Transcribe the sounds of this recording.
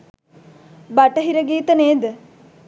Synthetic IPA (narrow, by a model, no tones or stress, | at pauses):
bɐʈɐɦiɾɐɡiːt̪ɐneːd̪ə